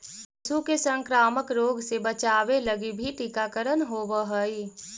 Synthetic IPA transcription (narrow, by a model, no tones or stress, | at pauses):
sukesə̃ŋkɾaːməkɾoːɡsebət͡ʃaːʋeləɡibʱiʈikakəɾənɦoːʋəɦəi